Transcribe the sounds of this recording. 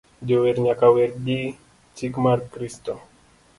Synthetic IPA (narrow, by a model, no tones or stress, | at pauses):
ɟoweɾɲakaweɾɡi | t͡ʃikmaɾkɾist̪o